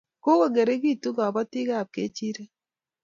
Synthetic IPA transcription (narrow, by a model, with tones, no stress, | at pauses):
ko˦ɣo˦˨ŋɡe˨ɾe˦ɣi˦tu˦ɡa˨βa˦ti˦ɣa˦˨p̚ke˦t͡ʃi˦ɾe˦